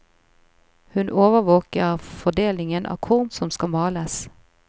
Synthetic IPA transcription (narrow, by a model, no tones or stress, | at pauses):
hʉnʔoːʋəʋoːkəʁfɔd̪eːlɪŋənʔɑ̰ːkʰʊʁmsɔmskɑmɑːləs